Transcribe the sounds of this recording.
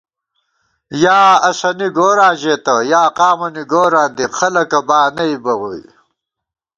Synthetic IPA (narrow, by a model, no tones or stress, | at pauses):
jaːɐsɐniɡoːɾaːʑeːt̪ɐjaːqaːmɐniɡoːɾãːnd̪ixɐlɐkɐbaːnɐibɐwoj